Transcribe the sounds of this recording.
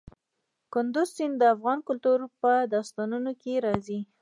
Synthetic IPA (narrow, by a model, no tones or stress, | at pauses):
kʊnd̪ʊzsind̪əafɣɑnkʊlt̪uɾpəd̪ɑst̪ɑnunokeɾɑzi